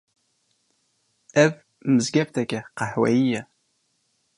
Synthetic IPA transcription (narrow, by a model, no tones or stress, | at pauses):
æv | məzɡæbt̪ækʲæqɑħwæ̰jijæ